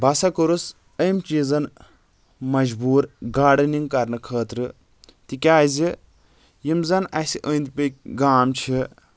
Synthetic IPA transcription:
bɐsɐkɨɾus | əjmt͡ʃiːzɐn | mɐd͡ʒbuːɾɡaːɾɖɨniŋɡkɐɾnɨkʰəːt̪ɾɨ | t̪ikʲaːzi | jimzɐnɐsʲiʔəːnd̪ʲpək̚ʲɡaːmt͡ʃʰi

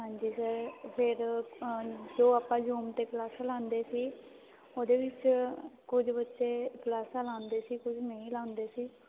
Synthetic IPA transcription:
ɦãːɲd͡ʒiːsəɾpʰɪɾ | d͡ʒoːaːpãːd͡ʒuːmt̪eːklaːsalãːnd̪eːsiː | oːd̪eːʋɪt͡ʃkʊd͡ʒbətːʃeːklaːsalãːnd̪eːsiːkʊd͡ʒʰmeĩːlaːʊnd̪eːsiː

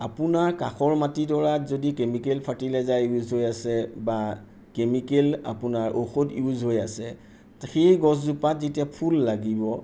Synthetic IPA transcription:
apunaɹkaxɔɹmatidɔɹazodikemikelpʰatilɛzauzɦojasɛba | kemikela̰punaɹʔoxodjuzɦojasɛ | xejɡɔs̬zupatzetijapʰulːaɡibɔ

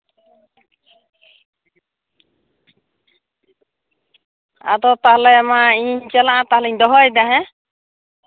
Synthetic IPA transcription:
a̰d̪ɔt̪aɦlɛmaiɲt͡ʃɛlaʔãt̪aɦlɛiɲd̪ɔɦɔjd̪aɦɛ̃

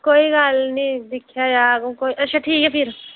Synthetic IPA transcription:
koːiɡaːlnĩd̪ɪkʰjajaːkkoːiʔɐʃʰaʈʰiːkɦɛpʰɪɾ

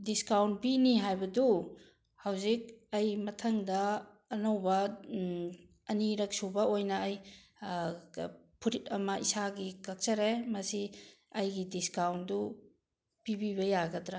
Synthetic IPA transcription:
diskawnt̚piniɦajbɐdu | hawzik̚ɐjmɐtʰɐŋdɐː | nɐwbɐ | ɐniɾɐk̚subɐojnɐːj | pʰuɾitɐmɐʔisaɡikɐk̚sɐɾemɐsi | ɐjɡidiskawndu | pibiβɐjaɡɐdɾa

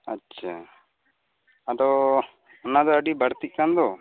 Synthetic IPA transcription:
atːʃʰa | ad̪ɔ | ɔnad̪ɔəɖibəɽt̪iʔ̚kand̪ɔ

